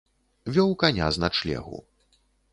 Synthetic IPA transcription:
vʲɔwkanʲa̰znat͡ʂlʲɛ̰ɣṵ

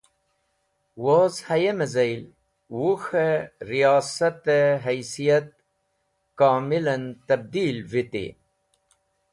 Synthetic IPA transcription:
wozhɐjemezɐjl | wuxeɾijɑːsat̪eɦajsijat̪̚ | kaːmilɐnt̪ɐb̚d̪iːlvit̪ḭ

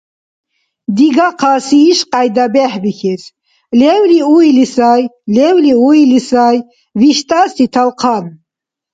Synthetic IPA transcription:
d̪iɡaqʰasiːʃqʼajd̪abɛħbixɛs | lɛwliuilisajlɛwliuilisaj | viʃt̪ʼasit̪ʰalqʰan

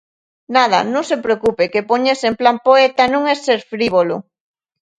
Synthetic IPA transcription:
nað̞a̰nõŋsepɾeokupekepoɲesemplampoet̪anũŋeseɾfɾiβ̞olo

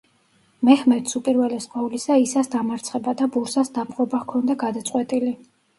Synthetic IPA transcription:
mɛhmɛt̪supʼiɾvɛlɛsqʼwavulisaisasd̪amaɾt̪sʰχɛbad̪abuɾsasd̪apʼqʼɔbaʁkʰɔnd̪aɡad̪at̪sʼwɛt̪ʼili

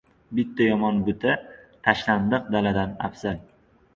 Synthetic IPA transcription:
bɪt̪ʰːajɒmɒnbʊt̪ʰat̪ʰaʃland̪ɨq̚d̪alad̪ana̰fsan

